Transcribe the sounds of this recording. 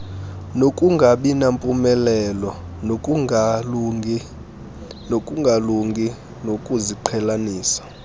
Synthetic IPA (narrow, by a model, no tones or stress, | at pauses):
nokʼuŋɡʱaɓinampʼumɛlɛlɔn | nokʼuŋɡʱaluŋɡi | nokʼuziǃʰɛlaniːsḁ